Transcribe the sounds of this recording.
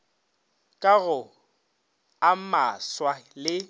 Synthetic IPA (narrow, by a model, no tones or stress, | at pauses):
kʼaɣʊ | amaswalɪ